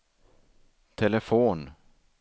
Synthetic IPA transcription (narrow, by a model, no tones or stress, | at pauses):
t̪ʰɛləfoːn